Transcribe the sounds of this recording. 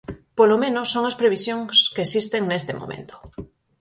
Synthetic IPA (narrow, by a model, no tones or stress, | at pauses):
polomẽnosːoŋaspɾeβ̞isjoŋskeːsist̪eŋnest̪emo̰mḛ̃nt̪o̥